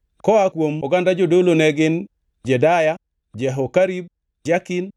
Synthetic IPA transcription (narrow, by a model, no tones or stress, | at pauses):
kɔakwomɔɡandad͡ʒodolonɛɡɪn | d͡ʒɛdaja | d͡ʒɛɦokaɾib̚ | d͡ʒakin